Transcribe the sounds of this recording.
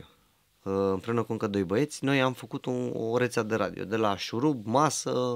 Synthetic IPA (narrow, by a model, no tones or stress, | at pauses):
ɨmpɾinəkuŋkəd̪o̞jbəje̞t̪sʲno̞jamfəkut̪uo̰ɾet̪sʲad̪e̞ɾa̰d̪ḭo̞̰d̪e̞laʃuɾubmasə